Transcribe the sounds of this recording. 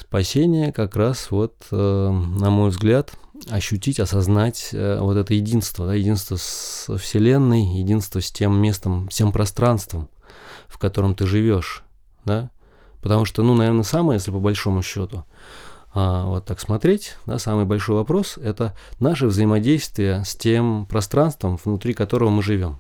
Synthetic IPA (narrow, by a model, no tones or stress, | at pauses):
spɐsʲenʲɪjəkɐkɾasvo̞t̪ənɐmo̞jvzɡlʲat̪ɐɕːʉtʲitʲɐsɐznatʲə̰vo̞t̪ɛt̪əjɪdʲinst̪vəd̪ajɪdʲinst̪vəsəfsʲɪlʲe̞nːɨjjɪdʲinst̪vəsʲtʲe̞mːʲe̞st̪əmfsʲe̞mpɾɐst̪ɾanst̪vəm | fkɐt̪o̞ɾəmt̪ɨʐɨvʲoʂ | d̪a | pət̪ɐmuʂt̪onunɐvʲernəsamɨjesʲlʲɪpəbɐlʲʂo̞mʊɕːot̪ʊ | avo̞t̪ːaksmɐt̪ɾʲetʲd̪a̰samɨjbɐlʲʂojvɐpɾo̞sɛt̪ənaʂɨvzəɪmɐdʲejst̪vʲɪjəsʲtʲempɾɐst̪ɾanst̪vəmvnʊt̪ɾʲikɐt̪o̞ɾəvəmɨʐɨvʲo̞m